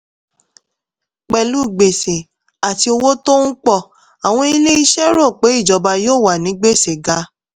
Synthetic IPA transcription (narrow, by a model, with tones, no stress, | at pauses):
k͡pɛ˨lu˦˨ɡ͡be˨se˨ | a˨ti˧o˧wo˦to˦n̩˦k͡pɔ˦˨ | a˨w̃ɔ̃˧i˧le˦i˦ʃɛ˦ɾo˦˨k͡pe˨˦i˦˨d͡ʒɔ˨˧ba˧joː˦˨wa˨nĩ˨˦ɡ͡be˦˨se˨ɡa˧˦